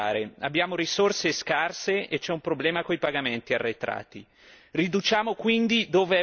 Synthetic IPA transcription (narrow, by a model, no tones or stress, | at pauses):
aːɾea̰bːjaːmoɾisorseskarseet͡ʃːɛumpɾoblɛːmakoipaɡament̪iarːet̪ɾa̰ːt̪i | rid̪ut͡ʃaːmokwind̪id̪oːve